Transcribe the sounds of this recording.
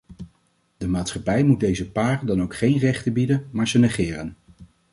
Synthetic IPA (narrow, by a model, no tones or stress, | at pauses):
d̥əmaːtsχɑpɛjmud̚dejzəpaːrədɑnowkχejnrɛχtəbidənmaːɹzənɛχɪːrən